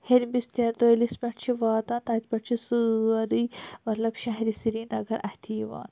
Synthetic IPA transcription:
heɾʲbist̪ʲet̪olispʲɐʈt͡ʃʰiʋaːt̪aːnt̪aːt̪ʲpʲɐʈt͡ʃʰisuɾimɐt̪lɐbʃɐɦɾisiɾiːnɐɡɐɾʔɐht̪ʰiːʋa̰ːn

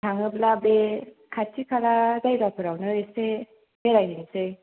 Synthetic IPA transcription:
aŋɯplabe | kʰatʰikʰalazajbapʰɯɾawnɯese | beɾajɦinisɯj

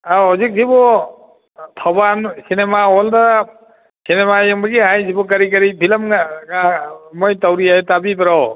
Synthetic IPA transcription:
aɔzik̚zibɔ | t̪ʰɔbansinemaɔɔldaɾa | sinemajɔŋbaɡiɦajzibɔk̬aɾik̬aɾibʰʱilamkamɔjtawɾiatabipɛɾɔw

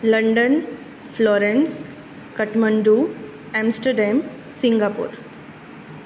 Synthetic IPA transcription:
ləɳɖən | flɔːɾẽns | kəʈməɳɖu | ɛ̃msʈəɾɖɛ̃m | sĩŋɡapṵːɾ

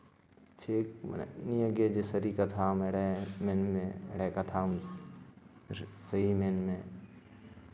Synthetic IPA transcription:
t͡ʃʰeːkniəɡed͡ʒesəɾikɐt̪ʰameɽemenmẽɽekat̪ʰaːm | sɐɦimẽnmẽ

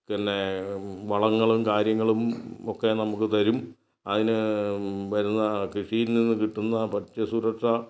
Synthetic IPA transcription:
kɐnːeʋɐɭɐŋːɐɭumkaːɾjɐŋːɐɭumokːe̞nɐmukːɨt̪ɐɾum | ɐðinɨ | ʋɐɾunːɐkiʂijilninːɨkiʈːunːɐpɐtːɐsuɾɐkʂɐ

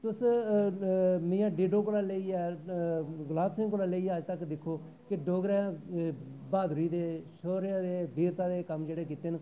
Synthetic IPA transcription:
t̪ʊs | mĩːãːɖiːɖoːkoːlaːleiːɛː | ɡʊlaːbsɪ̃ŋkoːlaːleiːəd͡ʒt̪əkd̪ɪkʰːoː | kɪɖoːɡɾɛ̃ː | baːd̪ɾiːd̪eːʃoːɾeaːd̪eːbiːɾt̪ãːd̪eːkəmd͡ʒeːɽeːkiːt̪eːn

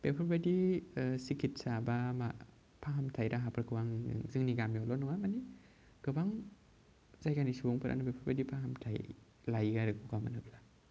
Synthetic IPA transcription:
b̥epʰɯɾbadisikʰit̚sabama | pʰaɦamtʰajdaɦapʰɯɾkʰɯwaŋ̰zɯŋniɡamjɔlɔnɔŋamani | ɡ̥ɯbaŋ | z̥ajɡanisubɔŋpʰɯɾʔa̰nabepʰɯɾbadipʰaɦamtʰaj | lajɡaɾɯkʰuɡamanɯp̚la

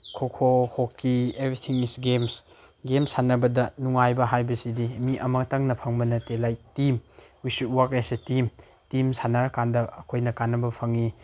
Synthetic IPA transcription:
kʰokʰohokːiebɾitʰiŋisɡems | ɡemsanɐbɐdɐnuŋajbɐɦajbɐsidimiʔɐmɐtɐŋnɐpʰɐŋbɐnɐtelajtimwisut̚wakasetim | timsanaɾkandɐɐkʰojnɐkanːɐbɐpʰɐŋi

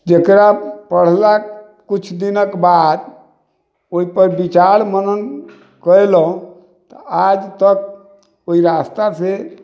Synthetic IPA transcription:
d͡ʒekɾapəɽ̤la | kut͡ʃʰd̪inəkbad̪ | oipəɾbit͡ʃaɾmənən | kəelũ | t̪əad͡ʒt̪ək̚ | oɦiɾast̪ase

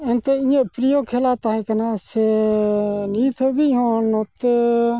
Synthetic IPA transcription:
ẽnt̪eĩẽpɾijoːkʰeːlaːt̪ãːĩːkənaːseː | niːt̪ʰəbiːɦoːnot̪

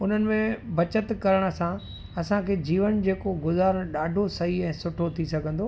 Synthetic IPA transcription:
ʊn̤ənɪ̆mẽbɐt͡ɕət̪kɐɾəɽ̃sã | ɐsãkʰeːd͡ʑiːʋənd͡ʑeːkoɡʊzaːɾɗaːɖʱosɐɦiɛ̃ːsʊʈʰot̪ʰisɐɡʱə̃nd̪oː

